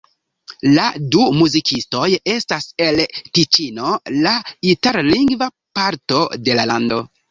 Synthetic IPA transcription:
ladumuzikʰisto̞je̞stase̞lkit͡ʃino̞laitaɾliŋɡva | paɾto̞de̞lalando̞̰

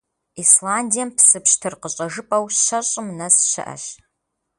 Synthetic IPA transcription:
islaːndijɐmpʰsɨpɕtʰɨrqəɕʼɐʒɨpʼɐwɕɕɐɕʼɪmnɐsɕɪ̰ʔɐ̰ɕ

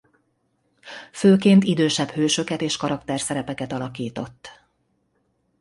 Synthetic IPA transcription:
føːkeːnt̪id̪øːʃɛbhøːʃø̞kɛt̪eːʃkɒɾɒkt̪ɛrsɛɾɛpɛkɛt̪ɒlɒkiːt̪o̞t̪ː

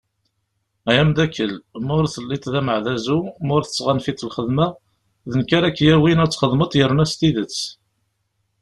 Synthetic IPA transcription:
æjæmd̪ækːəlmʊɾθəlːɪt̪ˤðæməʕðæzumʊɾθə̥t͡sːʁanfit͡sːəlχəðmæ | ðənkaɾækːjæwinæt͡sːχəðˤmət̪ˤjəɾnæst̪iðət͡sː

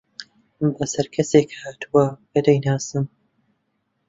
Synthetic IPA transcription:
bɐsɐɾkʰɐseːkhaːt̪ʰuwɐbɐd̪ɐjnaːsɨm

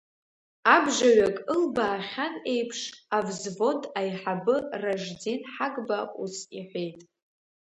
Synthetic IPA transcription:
abʐaɥakʼɨlbaːχʲane̞jpʰʂavzvo̞dʼajħabɨraʐd͡zinħaɡʼbaʔusiħʷe̞jtʼ

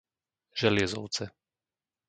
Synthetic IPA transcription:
ʒ̥ɛlɪɛzɔʊt͡sɛ

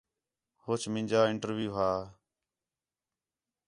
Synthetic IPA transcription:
hoːt͡ʃmɪ̃nd͡ʒaːɪɳʈəɾʋjuːɦaː

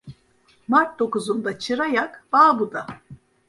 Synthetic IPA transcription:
maɾt̪̚d̪o̞kuzund̪at͡ʃʰɯɾajakb̥aːbud̪a

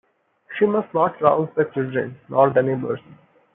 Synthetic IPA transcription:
ʃiːmɐsʈnɔːʈɾaʊzd̪ət͡ʃɪlɖɾə̰̃nːɔːɾd̪əneːbə̰ɾs

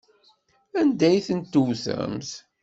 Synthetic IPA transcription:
ænd̪æjθənt̪ːuwθə̰ɾmθ

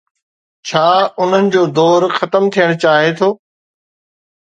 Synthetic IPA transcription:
t͡ɕʰaːʊn̤ənɪ̆d͡ʑoːd̪ɔːɾxɐt̪əmt̪ʰijəɽ̃ʊt͡ɕaːɦet̪ʰoː

